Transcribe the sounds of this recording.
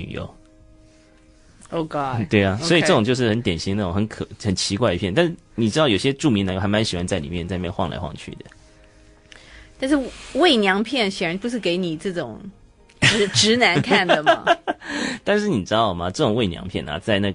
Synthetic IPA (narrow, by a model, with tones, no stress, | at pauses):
y̰˨˩jo̰˧˥ʊ | o˧ɑ˥t̪we˥˩ɪɐ˨˩swɔ˧˥i˨ʈ͡ʂɤ˥˩ʈ͡ʂʊ˨˩ŋt͡ɕo˥˧ʊʂɻ̩˥˩xə˧˥nt̪jɛ˨˩nɕi˧˥ŋna˥˩ʈ͡ʂʊ˨˩ŋxə˧˦kʰɤ˨˩xə˨˩nt͡ɕʰi˧˥kwa˥˧ɪi˧pʰjɛ˥˧nt̪nʂɻ̩˥˩ni˨˩ʈ͡ʂɻ̩˥ɑ˥˩ʊjo˨˩ɕjɛ˥ʈ͡ʂu˥˩mi˧˥nə˧˥ŋjxa˧˥ma˧˦nɕi˨˩wa˧˥nt͡sa˥˩lḭ˨˩mjɛ˥˧nt͡sjɛ˥˧xwɑ˥˧ŋla̰˧˥ɪxwɑ̰˥˧ŋt͡ɕʰy̰˥˩d̪ə̰˨˩ | t̪a˥˧nʂ̬ɻ̩˥˧we˥˩ɪnjɑ˧˥ŋpʰjɛ˥˩nɕjɛ˨˩ɻa˧˥npu˧˥ʂ̬ɻ̩˥˩ke˧˥ɪni˨˩t͡sɹ̩ɤ˥˩ʈ͡ʂʊ˨˩˦ŋ | ʈ͡ʂɻ̩˧˥ʈ͡ʂɻ̩˧˥na˧˥nkʰa˥˩nə˩mɐ̰˨˩ | t̪a˥˧nʂɻ̩˥˩ni˨˩ʈ͡ʂɻ̩˥d̪ɑ˩ʊmɐ˩ʈ͡ʂɤ˥˩ʈ͡ʂʊ˨˩ŋwe˥˩ɪnjɑ̰˧˥ŋpʰjɛ˥˩nɐ̰˨˩t͡sa˥˧ɪna˥˩